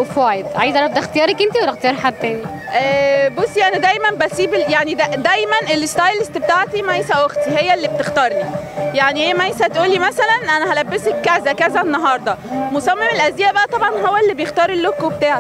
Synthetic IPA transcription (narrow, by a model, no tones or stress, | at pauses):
fæːjed̪ˤʕa̰jizʔæɾæb̚d̪æxt̪ejɑːɾˤɑkʔent̪iwæɾˤæxt̪ejɑːɾħad̪̚t̪æːni | ʔæbosːiʔænæd̪æjmænbæsiːbeljaʕnid̪æd̪æjmænʔelːest̪ˤɑjlest̪bet̪aːʕt̪imæjsæʔoxt̪ihejːælːib̚et̪ext̪ɑːɾˤnijaʕniheːmæjsæt̪ʔuːlːimæsælænʔænæhælæbːesekːæzækæzænːɑɦɑːɾˤd̪ˤɑmosɑmːemelʔæzeːæbæʔæt̪ˤɑbʕɑnɦowːælːibejext̪ɑːɾˤelːokːuwbet̪aːʕa